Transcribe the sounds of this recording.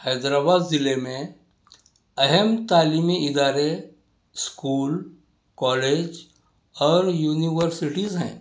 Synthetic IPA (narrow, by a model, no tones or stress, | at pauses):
həːd̪ɾaːbaːd̪zɪlemẽ | ɐɦəmt̪aːliːmiɪd̪aːɾe | skuːl | kɔːleːd͡ʒ | ɔːɾjuːniʋəɾsɪʈizɦɛ̰̃ː